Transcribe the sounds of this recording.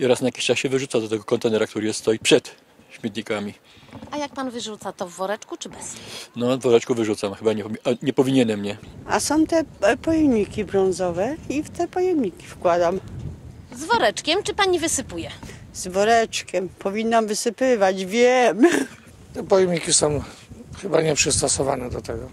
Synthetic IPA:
iɔɾasnajakʲi̥ɕt͡ʂasɕɛvɘʐut̪sad̪ɔt̪ɛɡɔkɔnt̪ɛnɛɾakt̪uɾɘjɛst̪st̪ɔjipʂɛt̪ | ɕmʲjɛt̪ɲikamʲi | ajak̚panvɘʐut̪sat̪ɔvːɔɾɛt͡ʂkut͡ʂɘbɛsnɔvɔɾɛt͡ʂkuvɘʐut̪samxɘbaɲɛaɲɛpɔvʲiɲɛnɛmɲɛasɔ̃w̃t̪ɛpɔjɛmɲikʲibɾɔ̃ñzɔvɛift̪ɛpɔjɛmɲikʲi̥fkwad̪am | zvɔɾɛt͡ʂkʲɛmt͡ʂɘpaɲivɘsɘpujɛz̥vɔɾɛt͡ʂkʲɛmpʰɔvʲinːamvɘsɘpɘvad͡ʑvʲjɛm | t̪ɛpɔjɛmɲikʲisɔ̃w̃ | xɘbaɲɛpʂɘst̪ɔsɔvanɛd̪ɔt̪ɛɡɔ

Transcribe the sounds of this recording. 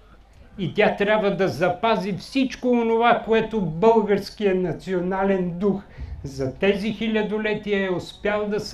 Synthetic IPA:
it̪ʲat̪ɾʲabvəd̪ɐzɐpazifsit͡ʃkoːnovakoɛt̪obɤlˠɡəɾskijənɐt̪sionalɛnd̪uxzɐt̪ɛzixilʲɐd̪olɛt̪iəɛospjalˠd̪ɐs

